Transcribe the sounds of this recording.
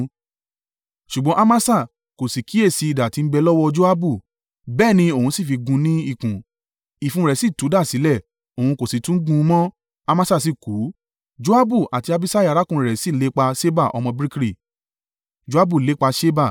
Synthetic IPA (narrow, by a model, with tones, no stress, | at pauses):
ʃu˨ɡ͡bɔ̃˧˦ʔa˦˧ma˦sa˦˨ | ko˨si˨ki˨˦e˦˨si˨˧i˧˨da˨ti˧n̩˦bɛ˧lɔ˦wɔ˧d͡ʒo˦a˦bu˦˨ | bɛː˦˨nĩ˧o˨hũ˧˦si˦˨fi˧ɡũ˧nĩ˦i˦˨kũ˨ | i˨fũ˧˦˧ɾɛ˨˦si˦˨tu˨˦da˦˨si˨˦lɛ˦˨ | o˨hũ˧ko˨si˨tũ˦ɡũ˧˦mɔ̃˦ | a˧mã˦sa˦˨s̬i˦˨ku˨˦ | d͡ʒo˦a˦bu˦˨ʔa˨ti˧a˧bi˦sa˦ja˨˧ɾa˨˦kũ˦˧ɾɛ˨si˦˨le˨˦k͡pa˧ʃe˦ba˦˨ʔɔ̰˧mɔ̃˧bɾi˦kɾi˦˨ | d͡ʒo˦a˦bu˦˨le˨˦k͡pa˧ʃe˦ba˦˨